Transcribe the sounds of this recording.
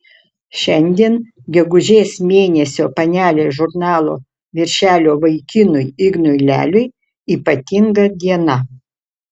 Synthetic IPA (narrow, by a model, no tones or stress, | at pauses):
ʃʲɛnʲd̪ʲiɛn | ɡʲɛɡʊʒʲeːsmʲeːnʲɛsʲoːpɐnʲæːlʲeːʒʊɾnɑːlˠo̰ː | ʋʲɪɾʲʃʲæːlʲoːʋɐɪkʲɪnʊjɪɡnʊɪlʲæ̰ːlʲʊj | iːpɐt̪ʲɪŋɡɐd̪ʲiɛnɐ